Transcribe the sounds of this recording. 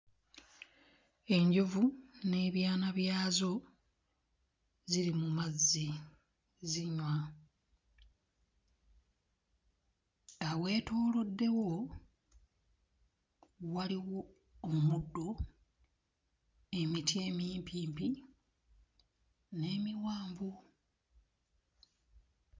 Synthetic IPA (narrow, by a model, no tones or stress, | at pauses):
e̞ɲɟovune̞ːβjaːnaβjaːzo̞ | ziɾimumazːi | ziɲwa | awe̞ːtoːlo̞dːe̞wo̞ | waliwo̞ː | mudːo̞ | e̞mitje̞ːmiːmpʰiːmpi | ne̞ːmiwaːmbu